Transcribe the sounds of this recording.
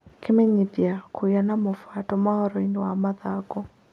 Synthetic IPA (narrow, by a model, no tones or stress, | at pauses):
kɪmɛɲidjakʰujanamɔfwatɔmaɔɾɔinwamaðaɡɔ